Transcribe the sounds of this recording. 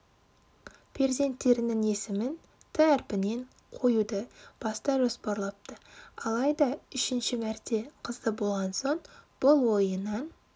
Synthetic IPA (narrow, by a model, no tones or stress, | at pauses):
pʰe̞ɾze̞nt̪ːe̞ɾɪnɪŋe̞sɪmɪn | t̪ʰæɾpɪne̞ɴ | qʰo̞jud̪əb̥ɑst̪ɑʒospɑɾlˠɑp̚t̪əɑlˠɑjd̪ɑʏʃɪnʃɪmæɾt̪e̞qʰəzd̪əbo̞lˠʁɑnsoɴb̥ʊlˠwo̞jənːɑn